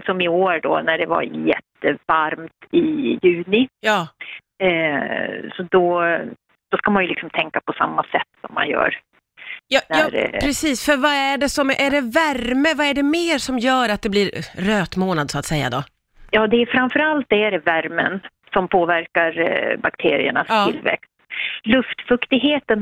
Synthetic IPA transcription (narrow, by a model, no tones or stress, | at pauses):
sɔmɪoːɾɖɔ̰næɖɛva̰ɾjɛ̰t̪ːəvaɾmt̪ɪjʉ̟ːnɪjɑː | sɔd̪ɔ | d̪̥ɔskamanjɵlɪksɔmt̪ʰɛŋkapʰɔsa̰mːasɛt̪ːsɔmːa̰njœ̰ːɾ | jɑːnjɑːɾpʰɾɛsiːsfœɾvaæɖɛsɔmʔæɖɛvæɾməvaæɖɛmeːɾʂɔmjœːɾat̪̚d̪ɛbliːɾɾøːt̪moːnad̪sɔat̪sɛjːa̰d̪ɔ | jɑːd̪ɛːfɾamfœɾalt̪̚d̪ɛæɖɛvæɾmə̰n | sɔmpʰoːvæɾkaɾbakt̪ʰḛːɾɪ̰ə̰ɳa̰st̪ːɪlːvɛ̰kst̪lɵft̪fɵkt̪ɪɡɦeːt̪ən